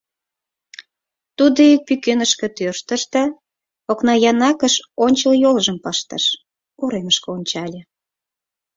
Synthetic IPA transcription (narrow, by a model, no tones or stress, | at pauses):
t̪ud̪oik̚pykenəʃkĕt̪ørʃt̪əʃt̪ɑ | oknɑjɑnɑkəʃonʲt͡ɕəljolʒəmpəʃt̪ə̰ʃ | uɾeməʃkeonʲt͡ɕɑlʲĕ